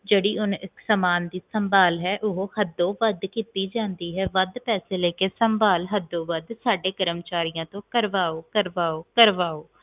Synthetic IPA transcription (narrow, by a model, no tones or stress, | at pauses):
d͡ʒeːɽiːʊnɪksəmaːnd̪iːsəmbaːlɦɛːʔʊɦoːhəd̪õːʋəd̪kiːt̪iːd͡ʒãːnd̪iːɦɛːʋəd̪pɛːseːleːkeːsəmbaːlɦəd̪õːʋəd̪saːɖeːkəɾəmt͡ʃaːɾijãːt̪õːkəɾʋaːoːkəɾʋaːoːkəɾʋaːoː